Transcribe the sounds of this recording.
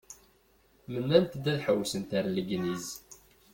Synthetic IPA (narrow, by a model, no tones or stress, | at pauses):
mənːænt̪d̪æðħəwsənt̪aɾləɡniz